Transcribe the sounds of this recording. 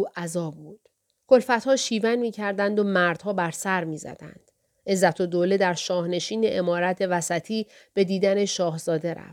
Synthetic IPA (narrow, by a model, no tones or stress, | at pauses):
uːʔæzɒːbbuːd̪̥ | kʰo̞lfæt̪hɒːʃiːvænmiːcʰæɾd̪ænd̪omæɾd̪̥hɒːbæɾsæɾmiːzæ̰d̪æ̰nd̪̥ | ʔe̞zːæt̪ʰod̪oːled̪æɾʃɒːhne̞ʃiːne̞ʔemɒːɾæt̪ʰe̞væsæt̪ʰiː | b̥e̞d̪iːd̪æneʃɒːhz̥ɒːd̪e̞ɾæ̰ft̪